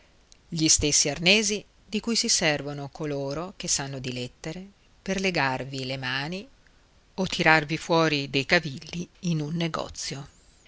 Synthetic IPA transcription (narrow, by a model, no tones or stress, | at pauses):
ʎist̪esːiarneːzi | d̪ikujsisɛrvonokʰoloːɾokesːanːod̪ilɛt̪ːeɾe | perleɡarvilemaːni | ot̪ʰːiɾarvifwɔːɾid̪ejkavilːiːnunːeɡɔ̰t̪sːjo